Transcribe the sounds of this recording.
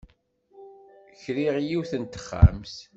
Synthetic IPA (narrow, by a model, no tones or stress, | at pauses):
çɾiʁjiwθənt̪ə̥χːæ̰ms